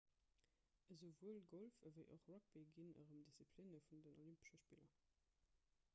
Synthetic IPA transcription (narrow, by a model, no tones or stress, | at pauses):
ʔəzovuəlɡolfəvəɪʔoχrɔk̚b̥iɡinə̰ʁəmdisipʰlinəfundənolympə̥ʃɐʃpilɐ